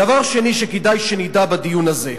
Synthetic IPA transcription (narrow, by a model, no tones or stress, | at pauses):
davaʁʃeniʃeked̪ajʃenid̪abad̪ijunaze